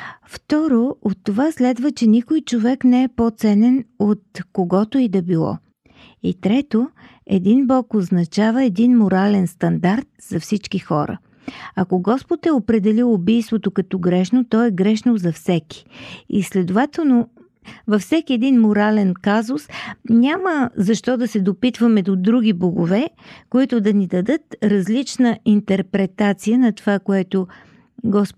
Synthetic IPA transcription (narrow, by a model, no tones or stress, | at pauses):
ft̪ɔɾoot̪ːovaslɛd̪vət͡ʃɛnikojt͡ʃovɛknɛɛpot̪sɛnɛnot̪̚koɡɔt̪oid̪ɐbilˠɔ̰ | it̪ɾɛt̪o | ɛ̰d̪inbɔkoznɐt͡ʃavəɛd̪inmoɾalɛnst̪ɐnd̪aɾt̪̚zɐfsit͡ʃkixɔ̰ɾə̰ | ɐkoɡɔspot̪ɛopɾɛd̪ɛlilʊbijst̪vot̪okɐt̪ɔɡɾɛʃnot̪ɔɛɡɾɛʃnozɐfsɛki̥ḭslɛd̪ʊvat̪ɛlˠno | vɐfsɛkiɛd̪inmoɾalɛnkazʊsnʲaməzɐʃt̪ɔd̪ɐsɛd̪opit̪vəmɛd̪od̪ɾuɡʲiboɡʊvɛkoit̪ʊd̪ɐnid̪ɐd̪ɤt̪ɾɐzlit͡ʃnəint̪ɛɾpɾɛt̪at̪sijənɐt̪ovakoɛt̪ʊ | ɡɔs